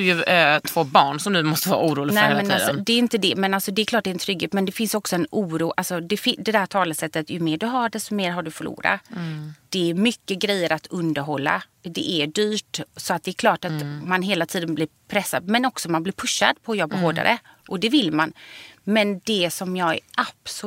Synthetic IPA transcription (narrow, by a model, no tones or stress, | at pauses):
d̥̪ɵjɵt̪ʰv̥oːbɑːɳsɔmd̪ɵmɔst̪əvɑ̰ːɾa̰uːɾuːlɪɡnfɛɛnaːd̪sɔd̪ɛːɾɪnt̪əd̪ɛmɛnalsɔd̪ɛːɾkʰlɑːʈ̚dɛɾɛnt̪ʰɾʏɡːheːt̪mɛnd̪ɛfɪnsɔksɔɛnuːɾuːʔalsɔd̪ɛfɪd̪ɛd̪æːʈ̪ʰɑːlasɛt̪ːət̪jɵmeːɖɵɦaɖɛst̪ɔmeːɾɦaɖɵfœɭṵːɾa̰d̪̥ɛːɾmʏkːəɡɾɛjːəɾʔat̪ʰɵnd̪əɾɦɔlːa̰d̪ɛʔɛɖyːʈsɔat̪̚d̪ɛːɾkʰlɑːʈat̪manɦeːlat̪ʰiːd̪ənblɪːɾpʰɾɛsːa̰d̪mɛnɔksɔmanblɪɾpʰɵʂːa̰d̪pʰɔːjɔbːaɦoːɖa̰ɾə̰ʔɔd̪ɛvɪlːmanmɛnd̪ɛsɔmjɑːɡɛ̰ʔaps